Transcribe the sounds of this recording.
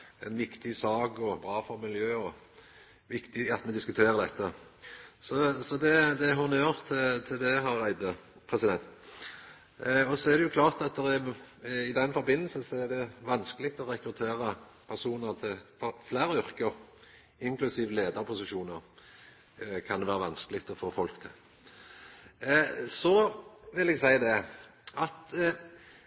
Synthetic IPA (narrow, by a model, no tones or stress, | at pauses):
ɛnʋɪkt̪ɪsɑːkɔbʁɑːfɔɾmɪljøːɔ | ʋɪkt̪ɪɑt̪mɛd̪ɪskʉt̪ʰeːʁəd̪ɛt̪ːə | sɔsɔd̪ɛd̪ɛɦɑʊnjøʁt̪ʰːt̪ʰɪld̪ɛɦɑɾæɪd̪əpʰʁɛsɪd̪ɛnt̪ | ɔsɔɛʁd̪ɛjʊkʰlɑːʁt̪ɑt̪̚d̪ɛʁɛɪd̪ɛnfɔɾbɪnːəl̩səsɔɛd̪ɛʋɑnskəlɪk̚t̪ɔʁɛkɾʉt̪ʰeːʁə | pʰæʁsuːnəʁt̪ʰɪlfɔflæːʁəʏʁkəɾ | ɪŋklʉsiːʋəleːd̪əɾpʰʊsɪʃuːnəʁ | kʰɑnd̪ɛʋæːʁɾəʋɑnskəlɪɡt̪ɔfoːfɔlkt̪ʰɪ̰l | sɔʋɪlɛɡsæɪd̪ɛɑt̪